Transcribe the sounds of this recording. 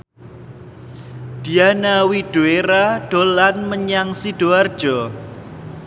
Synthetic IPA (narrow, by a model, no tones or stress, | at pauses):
d̪̥ianawiɖ̥oeɾaɖ̥olanməɲaŋsiɖ̥oard̥ʒ̥ɔ